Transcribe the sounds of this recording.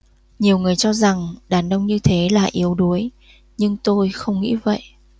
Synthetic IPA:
ɲi˨˩əwŋɨ˨˩əjt͡ɕɔ˧za˨˩ŋɗaː˨˩nʔə˧wŋ͡mɲɨ˧t̪ʰe˨˦la̰ː˨˩ʔi˨˦əwɗu˨˦əj | ɲɨ˧ŋt̪o˧jxə˧wŋ͡mŋḭ˧˥və̰˧˨jʔ

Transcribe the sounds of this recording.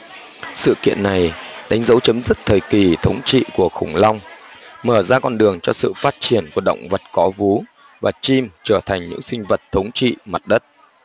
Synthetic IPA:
sɨ̰˧˨kḭ˧˨ənːa˨˩jɗa˨˦ŋ̟zə˨˦wt͡ɕə˨˦mzɨ˦˥k̚t̪ʰəː˨˩jki˨˩t̪ʰə˨˦wŋ͡mt͡ɕḭ˧˨ku˧˩əxʊ˧˩ŋ͡mla˧wŋ͡mməː˧˩zaː˧kɔ˧nɗɨ˨˩əŋt͡ɕɔ˧sɨ̰˧˨faː˦˥t̚t͡ɕi˧˩ənku˧˩əɗə̰˧˨wŋ͡mvə˨˩t̚kɔ˨˦vu˨˦ | vaː˨˩t͡ɕi˧mt͡ɕəː˧˩t̪ʰa˨˩jŋɲɨ̰˧˥ŋsï˧ŋ̟və˨˩t̚t̪ʰːə˨˦wŋ͡mt͡ɕḭ˧˨ma˨˩t̚ɗə˦˥t̚

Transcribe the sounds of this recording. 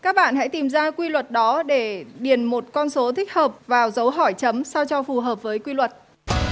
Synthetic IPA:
kaː˦˥k̚ɓa̰ː˧˨nɦa̰˧˥jt̪i˨˩mzaː˧kwi˧lwə˨˩t̚ɗɔ˨˦ɗe˧˩ɗi˧˩ənmo˨˩t̚kɔ˧nso˨˦t̪ʰï˦˥k̚həː˨˩p̚vaː˨˩wzə˨˦wɦɔ˧˩jt͡ɕə˨˦msa˧wt͡ɕɔ˧fu˨˩ɦəː˨˩p̚vəː˨˦jkwi˧lwə˨˩t̚

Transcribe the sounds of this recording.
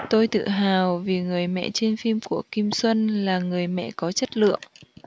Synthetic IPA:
t̪o˧jt̪ɨ̰˧˨ɦaː˨˩wvi˨˩ŋɨ˨˩əjmɛ̰˧˨t͡ɕe˧nfi˧mku˧˩əki˧mswə˧nlaː˨˩ŋɨ˨˩əjmɛ̰˧˨kɔ˨˦t͡ɕə˦˥t̚lɨ̰˧˨əŋ

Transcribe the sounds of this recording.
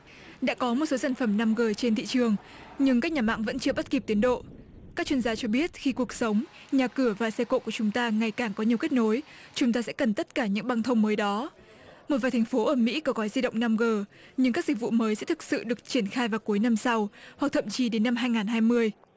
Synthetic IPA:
ɗa̰ː˧˥kɔ˨˦mo˨˩t̚so˨˦saː˧˩n̟fə˧˩mna˧mɣəː˨˩t͡ɕe˧nt̪ḭ˧˨t͡ɕɨ˨˩əŋ | ɲɨ˧ŋkaː˦˥k̚ɲaː˨˩ma̰ː˧˨ŋvə̰˧˥nt͡ɕɨ˧əɓa˦˥t̚ki˨˩p̚t̪i˨˦ənɗo̰˧˨ | kaː˦˥k̚t͡ɕwi˧nzaː˧t͡ɕɔ˧ɓi˦˥ət̚xi˧ku˨˩ək̚sə˨˦wŋ͡m | ɲaː˨˩kɨ˧˩əvaː˨˩sɛ˧ko̰˧˨ku˧˩ət͡ɕʊ˨˦ŋ͡mt̪aː˧ŋa˨˩jkaː˨˩ŋkɔ˨˦ɲi˨˩əwke˦˥t̚no˨˦j | t͡ɕʊ˨˦ŋ͡mt̪aː˧sɛ̰˧˥kə˨˩nt̪ə˦˥t̚kaː˧˩ɲɨ̰˧˥ŋɓa˧ŋt̪ʰə˧wŋ͡mməː˨˦jɗɔ˨˦ | mo˨˩vaː˨˩jt̪ʰŋ̟fo˨˦ʔəː˧˩mḭ˧˥kɔ˨˦ɣɔ˨˦jzi˧ɗə̰˧˨wŋ͡mna˧mɣəː˨˩ | ɲɨ˧ŋkaː˦˥k̚zi˨˩k̚vṵ˧˨məː˨˦jsɛ̰˧˥t̪ʰɨ˨˩k̚sɨ̰˧˨ɗɨ˨˩ək̚t͡ɕi˧˩ənxaː˧jvaː˨˩wku˨˦jna˧msa˧wha˨k̚t̪ʰə̰˧˨mt͡ɕi˨˦ɗe˨˦nːa˧mɦaː˧jŋaː˨˩nɦaː˧jmɨ˧əj

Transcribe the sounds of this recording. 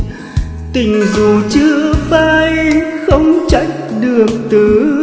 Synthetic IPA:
t̪ï˨˩ŋ̟zu˨˩t͡ɕɨ˧əfaː˧jxə˧wŋ͡mt͡ɕa̰˧˥ŋ̚ɗɨ˨˩ək̚t̪ɨ˨˩

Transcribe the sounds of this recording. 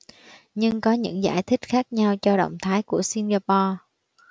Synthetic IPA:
ɲɨ˧ŋkɔ˨˦ɲɨ̰˧˥ŋza̰ː˧˩jt̪ʰï˦˥k̟̚xaː˦˥k̚ɲa˧wt͡ɕɔ˧ɗə̰˧˨wŋ͡mt̪ʰaː˨˦jku˧˩əsi˧nɣaː˧pɔ˧

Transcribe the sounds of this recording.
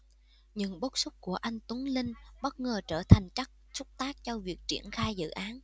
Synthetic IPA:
ɲɨ̰˧˥ŋɓo˦˥t̚sʊ˦˥k͡p̚ku˧˩əʔa˧jŋ̟t̪u˨˦ŋlï˧ŋɓə˦˥t̚ŋəː˨˩t͡ɕəː˧˩t̪ʰa˨˩jŋ̟t͡ɕa˦˥k̚sʊ˦˥k͡p̚t̪aː˦˥k̚t͡ɕɔ˧vi˨˩ək̚t͡ɕḭ˧˩ənxaː˧jzɨ̰˧˨ʔaː˨˦n

